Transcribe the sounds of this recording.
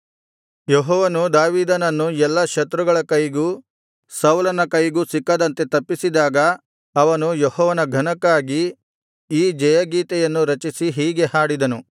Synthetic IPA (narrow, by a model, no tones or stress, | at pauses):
jɔɦɔːʋɐnud̪aːʋiːd̪ɐnɐnːuɛlːɐʃɐt̪ɾuɡɐɭɐkɐjɡuː | sɐwlɐnɐkɐjɡuːsikːɐd̪ɐnt̪e̞t̪ɐpːisid̪aːɡɐː | ʋɐnujɔhɔːʋɐnɐɡʱɐnɐkːaːɡiː | d͡ʒɛjɐɡiːt̪ɛjɐnːuɾɐt͡ʃisiɦiːɡe̞haːɽid̪ɐnu